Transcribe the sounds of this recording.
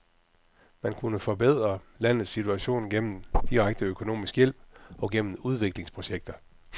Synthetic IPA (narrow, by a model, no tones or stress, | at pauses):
mænkʰunəfɒ̽b̥eð̞̰ˠʁɐlæn̰ð̩ˠsːit͡sʰuæɕo̝̰ːnɡ̥en̰m̩d̥iʁaɡ̥̚d̥əøkʰo̝no̝̰ːmisɡ̥jel̰b̥ɒ̽ɡ̥en̰m̩uð̞ˠʋe̝ɡ̥le̝ŋspʰʁo̝ɕeɡ̥̚d̥ɐ